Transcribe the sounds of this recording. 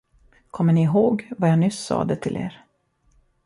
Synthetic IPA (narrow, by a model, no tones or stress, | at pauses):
kʰɔmːəɳɪɦoːɡvajanʏ̟sɑ̰ːd̪ɛt̪ʰɪlʔḛːɾ